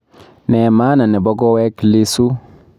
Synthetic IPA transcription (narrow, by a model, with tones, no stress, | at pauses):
ne˨maː˦na˨nɛ˨bɔ˦ɡɔ˦we˦kli˦su˦